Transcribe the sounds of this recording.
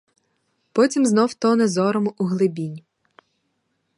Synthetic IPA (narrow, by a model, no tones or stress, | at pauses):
pɔtʲimznɔwt̪ɔnezɔɾɔmʊʔuɦlˠɪbʲinʲ